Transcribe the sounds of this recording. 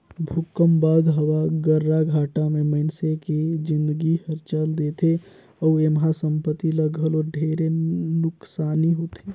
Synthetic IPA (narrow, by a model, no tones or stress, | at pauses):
bʱukəmbaːd̪ɦəwaɡəɾːaɡʱaːʈamẽməɪnseked͡ʒɪ̃nd̪əɡihəɾt͡ʃəld̪et̪ʰe | ɔwemɦasəmpət̪iləɡʱəloɖʱeɾenʊksaːniɦut̪ʰe